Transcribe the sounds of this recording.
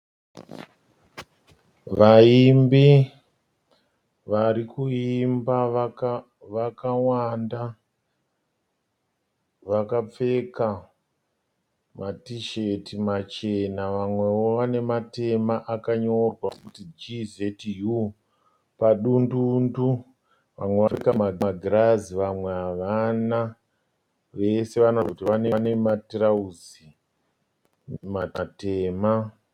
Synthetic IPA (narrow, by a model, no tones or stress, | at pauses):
ʋaimbi | ʋaɾikuimba | ʋakawanda | ʋakap͡fe̞ka | matiʃetimat͡ʃenaʋamwe̞woʋane̞mate̞maʔakaɲo̞rwakutid͡ʒizetju | paɗundundu | ʋamweʋaekamaɡaɡʱiraziʋamweaʋana | ʋe̞se̞ʋanokutiʋanene̞matrauzi | maate̞ːma